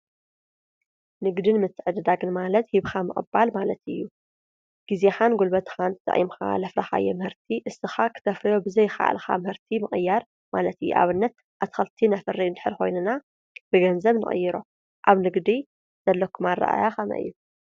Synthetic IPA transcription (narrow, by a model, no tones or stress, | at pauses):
nɨɡd̪ɨnmɨt̪ʰːɨʕɨd̪ɨd̪aɡɨnmalɐt̪hiβxamɨχʼɨ̰balmalɐt̪ɨjːu | ɡ̥izeħanɡolbɐt̪ʰxant̪ʰɨt̪ʼɨ̰ʔʼḭmxa̰lɐfɾɐxa̰jɛmhɨɾt̪ʰiʔɨsːɨxakʰɨ̥t̪ʰɐfɾɐjobɨzɐjxa̰ʔa̰lxa̰mɨhɨɾt̪ʰimɨχʼɨjːaɾ | malɐt̪ɨjːṵʔa̰βɨnːɐt̪̚ | ʔat̪xɐlt̪ʰinafɨrːiɨnd̪ɨħɨɾxo̞jnuna | b̥ɨɡɐnzɐβnɨ̰χʼɨ̰jːɨɾo̰ | ʔaβnɨɡd̪i | z̥ɐlːɐkʰːumarːa̰ʔa̰jaxɐna̰ʔɨ̰jːu